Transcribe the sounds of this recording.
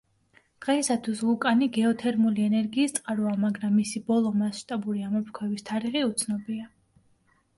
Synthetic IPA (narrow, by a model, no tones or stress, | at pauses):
d̥ʁaisat̪ʰwuslˠukʼaniɡɛɔt̪ʰɛɾmuliɛnɛɾɡiːst̪sʼqʼaɾɔamaɡɾamːisibɔlˠɔmasʃt̪ʼabuɾiamɔpʰɾkʰwɛvist̪ʰaɾiʁiut̪sʰnɔbia